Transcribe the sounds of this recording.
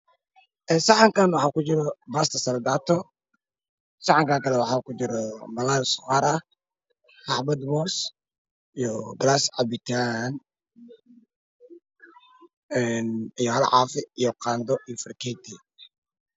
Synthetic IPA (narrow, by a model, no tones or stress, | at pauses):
ʔɛːnsɑʕɑŋkanwɑħaːkʊt͡ʃɪɾɔbaːst̪ʰɐsɐld̪aːt̪ʰɔ | sɑʕɑŋkaːkɐlɛwɑħaːkʊt͡ʃɪɾɔmɐlajsqɑɾɐ | hɑbɐd̪mɔːs | ijɔɡlaːsʕa̰bɪt̪ʰan | ɛnijɔhɐlʕɑ̰ːfɪijɔqɑːnd̪ɔʔijɔfɐrkʰɛt̪ʰɪ